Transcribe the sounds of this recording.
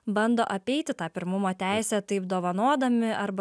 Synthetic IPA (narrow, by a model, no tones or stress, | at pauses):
bɐnd̪oːʔɐpʲɛɪt̪ʲɪt̪ɑːpʲɪɾmʊmoːt̪ʲæˑɪsʲɛt̪ɐɪpd̪oːʋɐnoɔd̪ɐmʲɪɐɾb